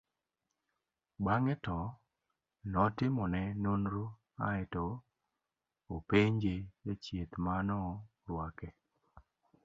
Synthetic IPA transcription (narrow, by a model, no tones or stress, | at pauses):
baŋɛtɔ | nɔtɪmɔnɛnunɾo | aɛtɔ | peɲd͡ʒejet͡ʃjet̪manɔ | ɾwakɛ